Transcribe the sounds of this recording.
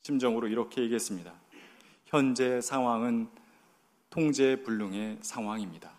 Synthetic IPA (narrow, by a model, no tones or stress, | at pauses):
ɕʰimd͡ʑʌŋɯɾoiɾʌkʰe̞jeɡiɦes͈ɯmɲida | çjʌnd͡ʑe̞sʰaŋɦwaŋɯn | tʰoŋd͡ʑe̞puɭːuŋe̞sʰaŋɦwaŋimɲida